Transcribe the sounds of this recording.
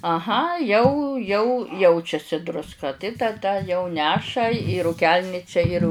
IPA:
ɐˈɣɐ jɛʊ jɛʊ ˈjɛʊt͡ʃʲɛsʲɪ drʊsˈkɐ tɐɪ tɐˈdɐ jɛʊ ˈnʲæːʃɐ iː ruːˈkʲɛlʲnʲɪt͡ʃʲɛ ɪr

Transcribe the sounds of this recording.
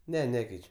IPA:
ˈnʲɛ ˈnʲæːkʲɛɪt͡ʃʲ

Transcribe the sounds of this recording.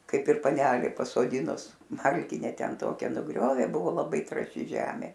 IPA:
ˈkɐɪp ɪr pɐˈnʲæːlʲeː pɐsoːˈdʲɪnʊs ˈmɐlʲkʲɪnʲɛ ˈtʲɛn ˈtoːkʲɛ nʊˈɡrʲoːʋʲeː ˈbʊʋoː lˠɐˈbɐɪ trɑːˈʃʲɪ ˈʒʲæːmʲeː

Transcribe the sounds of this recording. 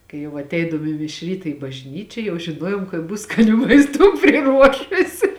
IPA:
kɐɪ ˈjɛʊ ɐtʲˈɛɪdɐʋoːm ɪ mʲɪʃ ˈrʲiːtɐ ɪ bɐʒʲˈnʲiːt͡ʃʲɛ jɛʊ ʒʲɪˈnuɔjuɔm kɐt ˈbʊs skɐˈnʲuː mɐɪsˈtuː pʲrʲɪˈruɔʃʊsʲɪ

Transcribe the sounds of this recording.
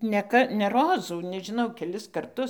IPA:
nʲɛ ˈkɐ nʲɛ ˈroːzuː nʲɛʒʲɪˈnɐʊ kʲɛˈlʲɪs kɐrˈtʊs

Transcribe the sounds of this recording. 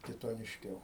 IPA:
kʲɪtoːnʲɪʃʲˈkʲɛʊ

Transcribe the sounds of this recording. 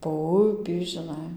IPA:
poː ˈʊpʲiː ʒʲɪˈnɐɪ

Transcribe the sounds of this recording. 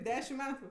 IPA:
ˈdʲæːʃʲɪm ˈmʲæːtʊ

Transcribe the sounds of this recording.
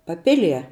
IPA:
pɐˈpʲɪlʲiɛ

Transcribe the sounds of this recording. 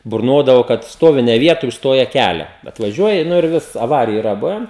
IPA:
bʊrˈnoːdɐʋoː kɐt ˈstoːʋʲɪ nʲɛ ˈʋʲiɛtoːj ʊʃˈstoːjɛ ˈkʲælʲɛ ɐtʋɐˈʒʲuɔjɪ ˈnʊ ɪr ˈʋʲɪs ɐˈʋɑːrʲɪjʊ ɪˈrɐ ˈbʊʋʲɛn

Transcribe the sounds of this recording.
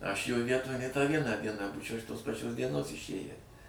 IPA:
ˈɐʃ joː ˈʋʲiɛtoːj nʲeː tɑː ˈʋʲiɛnɑː ˈdʲiɛnɑː ˈbuːt͡ʃʲɛʊ ɪʃ ˈtoːs pɐˈt͡ʃʲoːs dʲiɛˈnoːs ɪʃʲˈeːjæː

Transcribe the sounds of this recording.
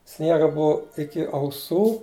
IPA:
ˈsʲnʲiɛɡɐ ˈbʊʊ ˈɪkʲɪ ɐʊˈsuː

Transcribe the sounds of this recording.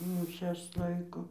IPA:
ˈmʲɪʃʲɛs ˈlˠɐɪkoː

